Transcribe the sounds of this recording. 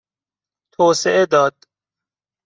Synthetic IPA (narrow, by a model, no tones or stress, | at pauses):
t̪ʰoːseʔed̪ɒːd̪̥